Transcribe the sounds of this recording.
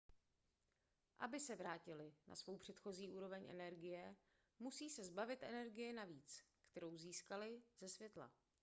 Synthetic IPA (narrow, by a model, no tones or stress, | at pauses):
ʔabɪsɛvɾaːcɪlɪnʔa̰svo̞wpr̝̥ɛt̪xo̞ziːʔuːɾovɛɲʔɛ̰nɛɾɡɪjɛ | musiːsɛzbavɪt̪ʔɛnɛɾɡɪjɪnaviːt͡skt̪ɛɾo̞wziːskalɪz̥ɛsvjɛt̪la̰